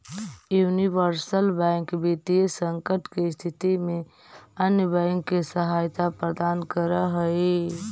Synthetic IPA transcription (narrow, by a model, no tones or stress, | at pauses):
junibəɾsəlbãŋkbit̪ijəsəŋkəʈkest̪ʰit̪ime | ənjəbãŋkːesəɦajt̪apɾəd̪ankəɾəɦəi